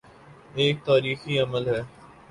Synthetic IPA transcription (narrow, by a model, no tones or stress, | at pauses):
eːk̚t̪aːɾiːxiɐməlɦɛː